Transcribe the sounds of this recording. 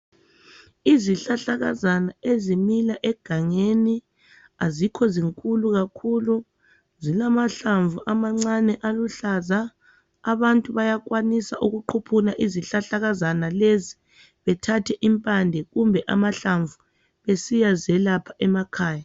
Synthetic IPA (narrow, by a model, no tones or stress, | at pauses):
iziɬaɬaɣazanaezimilaʔɛɡ̥ʱaŋeni | azikʰɔziŋkʼuluɣakʰulu | zilamaɬaɱvuʔamaŋ͡ǀanɛʔaluɬazaː | βantʼuβajaɣwanisaʔuɣuǃʰupʰunaʔiziɬaɬaɣazanalezi | βɛtʰatʰɛʔimpʼandʱɛɣumbʱɛʔa̰maɬaɱvu | βesijazɛlapʰaʔɛmakʰaːja